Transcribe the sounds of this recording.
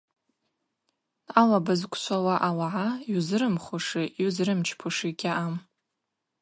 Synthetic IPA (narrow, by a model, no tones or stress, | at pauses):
alabazkʷʰʼsʷʰawaʔalaʕajuzrɨmχʷʊʂɨjuzrɨmt͡ʃʰpʰuʂiɡʲaʔam